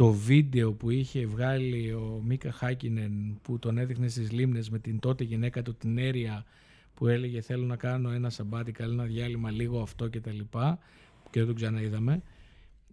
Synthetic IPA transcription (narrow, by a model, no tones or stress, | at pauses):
t̪o̞vid̪e̞o̞puiçe̞vɣɐlio̞mikɐxɐcinenput̪o̞ne̞ðixne̞st̪izlimne̞zme̞t̪int̪o̞t̪eʝine̞kɐt̪ut̪ine̞ɾiɐ | pue̞le̞ʝe̞θe̞lo̞nɐkɐno̞e̞nɐsɐbɐt̪ikɐloenɐðʝɐlimɐliɣo̞ɐft̪o̞ce̞t̪ɐlipɐ | ceðet̪oɡzɐnɐiðɐme̞